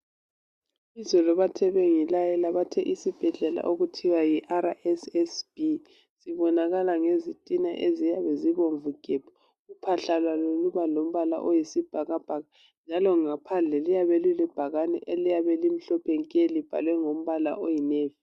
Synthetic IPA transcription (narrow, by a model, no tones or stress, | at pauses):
izɔlɔβatʰɛβɛŋilajɛlaβatʰɛʔisib̥ʱɛɮɛla̰ʔoɣutʰiwajiʔaɾaʔɛsɛsb̥i | siβɔnaɣalaŋezitʼina̰ʔezijaβɛziβoɱvuɡ̥ʱɛbʰɔ̥ | ɣupʰaɬalwaloluβalom̩βala̰ʔojisib̥ʱaɣab̥ʱaɣa | nd͡ʒʱalɔŋapʰand͡ɮʱɛlijaβɛlilib̥ʱaɣanɛ̰ʔelijaβɛlim̩ɬɔpʰɛŋkʼelib̥ʱa̰lwɛŋom̩βala̰ʔojineːvi